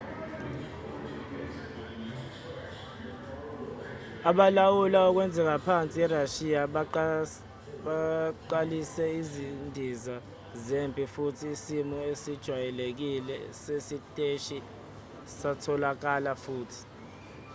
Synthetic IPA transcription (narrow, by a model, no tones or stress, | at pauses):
aɓalawulaɔk̬wɛnd͡zʱɛk̬apʰant͡sʼiɛraʃia | ɓaǃalisɛizindʱiza | zempʼifutʰiːsimɔesid̥ʒ̥ʱwajɛlek̬ilɛsesitʼeʃi | satʰɔlak̬alafuːtʰi̥